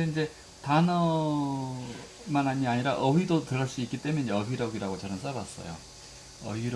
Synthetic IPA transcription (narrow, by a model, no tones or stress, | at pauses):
eind͡ʑe̞ | tanʌ | manaɲiaɲiɾaʔʌwidotɯɾʌɭs͈uik͈it͈e̞mjeniɲd͡ʑeʌbiɾʌɡiɾaɡot͡ɕʌnɯns͈abas͈ʌ̰jo̰ | ʌ̰iɾ